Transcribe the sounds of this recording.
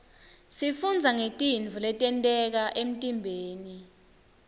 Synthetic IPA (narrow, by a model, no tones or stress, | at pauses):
sifund͡zʱaŋetʼind͡vʱulɛtʼɛntʼɛk̬aʔem̩tʼimbʱeːni